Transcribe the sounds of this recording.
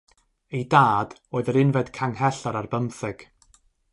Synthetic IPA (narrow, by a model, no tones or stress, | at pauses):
ejdaːd̥oːɨðəɾɪnvɛd̥kʰaŋhɛɬɔɾarbəmθɛɡ̥